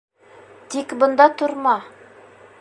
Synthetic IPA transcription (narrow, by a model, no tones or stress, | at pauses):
t̪ikbɤ̆nd̪ɑt̪ŏɾmɑ